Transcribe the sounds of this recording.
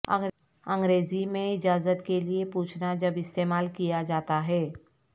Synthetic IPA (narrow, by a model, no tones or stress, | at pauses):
ə̰̃ŋ | ə̃ŋɡɾeːzimẽɪd͡ʒaːzət̪keliepuːt͡ʃʰnad͡ʒɐbɪst̪eːmaːlkijad͡ʒaːt̪aɦɛː